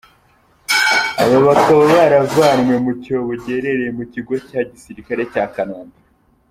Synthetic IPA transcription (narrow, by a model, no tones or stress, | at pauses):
aβoβatoβoβaɾavaːɾmwe̞muco̞βoɟe̞ɾe̞ɾejemuciɡo̞caːɟisiɾikaɾe̞caːkanoːmba